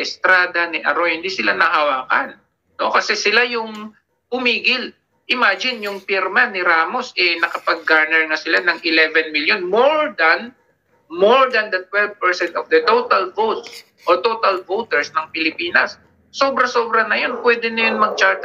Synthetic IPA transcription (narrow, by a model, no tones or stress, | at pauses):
ʔɛst̪ɾaːd̪ɐnɪʔɐ̰ɾohɪnd̪isɪlanɐhɐwaːkɐ̰n | no̞kɐsɛsɪlajʊŋ | pʊmiːɡɪl | ʔɪmaːd͡ʒɪnjʊŋpiɾmanːɪɾaːmo̞sʔɛnɐkɐpɐɡ̚ːaɹnɛɹŋasɪlanɐŋʔɪlɛvɛnmiljonmoɹd̪ɐn | moɹd̪ɐnd̪ɐt̪̚wɛlvpɛɹsɛnt̪ɔvd̪ɐt̪ot̪ɐlvowt̪s | ʔot̪o̞ːt̪ɐlvowt̪ɛɹsnɐŋpɪlɪpiːnɐsː | oːbɾɐso̞ːbɾɐnɐjo̞npwɛːd̪ɪnɐjonmɐɡ̚t͡ʃaɹt̪